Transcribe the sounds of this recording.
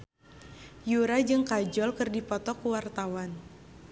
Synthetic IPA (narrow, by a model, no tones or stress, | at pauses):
juɾad͡ʒɨŋkad͡ʒɔlkɨrdipɔt̪ɔkuwart̪awan